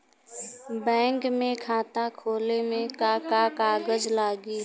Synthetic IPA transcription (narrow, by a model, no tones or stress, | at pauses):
bɛ̃ːŋkmẽːkʰaːt̪ãːkʰoːlemẽkaːkaːkaːɡəd͡ʒlaːɡiː